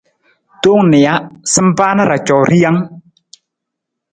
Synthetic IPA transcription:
t̪o˦ŋnɪ˨ja˦sə˦m˦pa˦na˦ɾa˨t͡ʃɔ˨ɾi˦ja˦ŋ

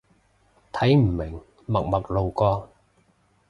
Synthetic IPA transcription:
t̪ʰɐ˨˥jm̩˨˩mɪ˨˩ŋ | mɐ˨k̚mɐ˨˩k̚lo˨wkɔː˧

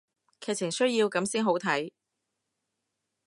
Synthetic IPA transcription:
kʰɛː˨˩t͡sʰɪ˨˩ŋsɵ˥ɥjiː˧wkɐ˨˥msiː˥nɦo˨˥wt̪ʰɐ˨˥j

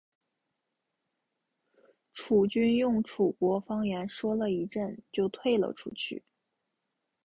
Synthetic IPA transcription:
ʈ͡ʂʰu˨˩t͡ɕy˥njʊ˥˩ŋʈ͡ʂʰu˨˩kwɔ˧˥fɑ˥ŋjɛ˧˥nʂwɔ˥lə˨i˧˥ʈ͡ʂə˥˧nt͡ɕjo˥˧ʊt̪ʰwe˥˩ɪlə̰˨˩ʈ͡ʂʰṵ˥t͡ɕʰy̰˥˩

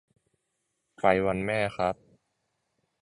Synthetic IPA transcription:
fa˧˩jwa˧nmɛː˥˩xʰɾa˦˥p̚

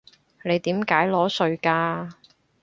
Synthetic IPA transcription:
ne˨˧jt̪iː˨˥mkaː˨˥jlɔː˨˥sɵ˧ɥkaː˧

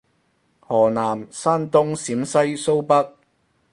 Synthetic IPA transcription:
hɔː˨˩naː˨˩msaː˥nt̪ʊ˥ŋsiː˨˥msɐ˥jso˥wpɐ˥k̚

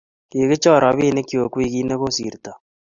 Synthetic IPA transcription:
ke˨ɣe˦t͡ʃɔ˦˨ɾa˨βiː˦˨ne˦kjo˨kwi˦ɣi˦ne˦ɣo˦sḭ˨ɾta˨

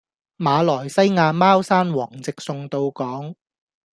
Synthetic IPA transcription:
maː˨˧lɔː˨˩jsɐ˥jŋaː˧maː˥wsaː˥nwɔː˨˩ŋt͡sɪ˨k̚sʊ˧ŋt̪o˧wkɔː˨˥ŋ

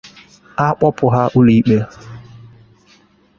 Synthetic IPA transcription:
a˦k͡pɔ˦pʊ˨ɦa˦ʔʊ˦li˨˦k͡pe˦

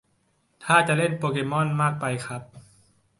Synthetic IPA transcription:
t̪ʰaː˥˩t͡ɕa˨ʔle˥˩npoː˧keː˧˥mɔ˥˨nmaː˥˩k̚pa˧jkʰa˦˥p̚

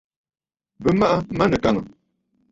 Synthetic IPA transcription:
bə˨ma˦ʔa˦ma˦nə˨ka˨ŋə̰˨

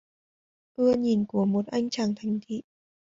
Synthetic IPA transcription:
ʔɨ˧əɲi˨˩nku˧˩əmo˨˩t̚ʔa˧jŋ̟t͡ɕʰaː˧˩ŋt̪ʰa˨˩jŋ̟t̪ʰḭ˧˨

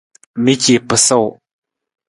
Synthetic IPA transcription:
mi˦ci˨pə˨so˦˨w

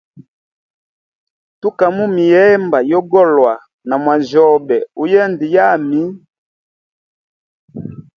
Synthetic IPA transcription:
tu˦ka˨mu˦mi˨jɛ˦mba˨jɔ˦ɡɔ˦lwa˨ | na˨mwa˨zɔ˦˨bɛ˨u˦jɛ˦ndi˨ja˦˨mi˦

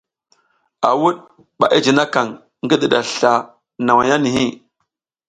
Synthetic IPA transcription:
a̰˨wu˦ɗ | ɓa̰˨ʔi˦d͡ʒi˨na˦ka˨ŋ | ŋ˦ɡi˦ɗi˨ɗa˨ɬa˨ | na˨wa˨ja˦ni˨ɦi˦

